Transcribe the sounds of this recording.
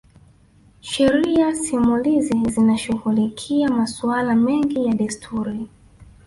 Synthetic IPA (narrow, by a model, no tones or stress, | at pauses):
ʃɛɾiasimulizizinaʃuɣulikʰiamasualamɛŋɡijaɗistʰuɾi